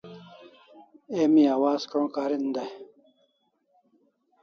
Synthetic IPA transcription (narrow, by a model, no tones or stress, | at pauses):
emĩaːwaːzkõkaːɾind̪aj